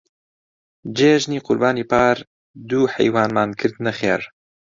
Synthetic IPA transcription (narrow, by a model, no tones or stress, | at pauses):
d͡ʒeːʒniːqʊɾbaːniːpʰaːɾ | d̪uːhɛ̰jwaːnmaːnkʰɨɾd̪nɛxeːɾ